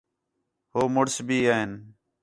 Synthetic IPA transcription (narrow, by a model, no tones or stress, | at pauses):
ɦoːmʊɽsbʱiːaːɦɪn